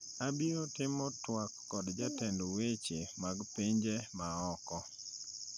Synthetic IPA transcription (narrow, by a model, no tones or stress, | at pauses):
abiotɪmɔtwakːɔdd͡ʒatɛndowet͡ʃemaɡpɪɲd͡ʒemaɔkɔ